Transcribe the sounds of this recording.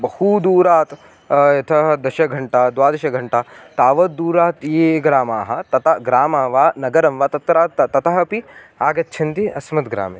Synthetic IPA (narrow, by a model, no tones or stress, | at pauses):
bɐhud̪uːɾaːt̪ | et̪ʰɐɦɐd̪ɐʃɐɡʱɐɳʈaːd̪ʋaːd̪ɐʃɐɡʱɐɳʈaːt̪aːʋɐt̪̚d̪uːɾaːt̪eːɡɾaːmaːɦɐ̆t̪ɐt̪ɐɡɾaːmaːʋaːnɐɡɐɾɐmʋaːt̪ɐt̪ːɾaːt̪t̪ɐt̪ɐɦɐpi | aːɡɐt̪ːt͡ʃʰɐnt̪iɐsmɐt̪ɡɾa̰ːme